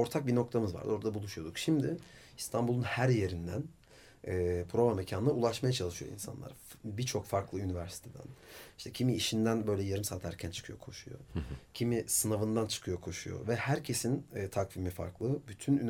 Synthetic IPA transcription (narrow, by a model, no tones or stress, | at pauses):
o̞ɾt̪ʰak̚bino̞k̚t̪ʰamɯzva̰ɾd̪o̞ɾad̪abulˠuʃujo̞d̪ukʃimd̪ɪ | ist̪ʰambulˠunhæɾje̞ɾind̪æn | ɛːpʰɾo̞vamecʰannaulˠaʃmajat͡ʃʰalˠɯʃɯjo̞̰ḭnsa̰nlˠa̰ɾbit͡ʃʰo̞kfaɾklˠɯynivæɾsi̥t̪ʰed̪æ̰niʃt̪ʰɛcʰimiːʃind̪ænbø̞jlʲɛjaɾɯmsalt̪hæɾcʰænt͡ʃʰɯ̥kʰɯjo̞̰kʰo̞ʃujo̰cʰimisɯnavɯnd̪ant͡ʃʰɯ̥kʰɯjo̞kʰo̞ʃujo̞̰vɛhæɾcʰe̞sinːt̪ʰakvimifa̰ɾklˠɯbyt̪ʰynyn